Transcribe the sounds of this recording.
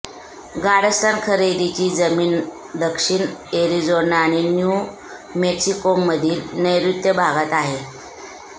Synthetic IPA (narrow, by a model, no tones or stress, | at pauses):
ɡaɽəst̪ankʰəɾed̪it͡ɕiːd͡zəmiːn | d̪əkʂiɳeɾid͡zonaɽ̃inju | meksikomːəd̪ʱiːlnəjɾut̪jəbʱaɡat̪aɦe